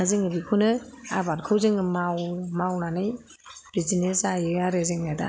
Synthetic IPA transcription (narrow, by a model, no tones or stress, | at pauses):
azɯŋɯbikʰunɯabat̚kʰɯwzɯŋɯmawmawnanɯj | b̥izinesajɯaɾezɯŋada̰